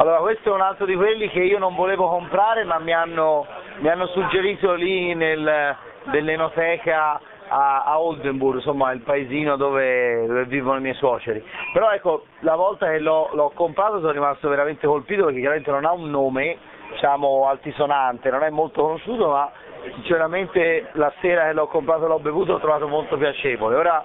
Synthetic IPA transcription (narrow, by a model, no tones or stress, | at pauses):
alːoːɾakwest̪oɛunalt̪ɾod̪ikwelːik̟eiːonõɱvoleːvokompɾaːɾemamːianːomianːosud͡ʒːeɾiːt̪olinel | d̪elːenot̪ɛːka | aːold̪emburɡsomːailpaeziːnod̪oːved̪ovevːiːvonoimjɛjswɔːt͡ʃeɾipeɾɔɛkːo | lavɔlt̪ak̟elːɔloɔkːompɾaːt̪os̬ɔnrːimast̪oveɾament̪ekolpiːt̪opeɾk̟ekːjaɾament̪enonaunːoːme | d̪it͡ʃaːmoalt̪isonant̪enonɛmːolt̪okonoʃːuːt̪oma | sint͡ʃeɾament̪elaseːɾak̟elːɔkːompɾaːt̪olɔbevuːt̪̬oɔt̪ːɾovaːt̪omolt̪opjat͡ʃeːvoleoːɾa